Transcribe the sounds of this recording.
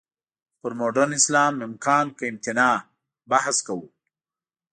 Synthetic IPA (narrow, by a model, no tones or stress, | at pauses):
pʊɾmoɖanɪslɑːmɪmkɑːnkəɪmt̪ɪnɑ | bahskawu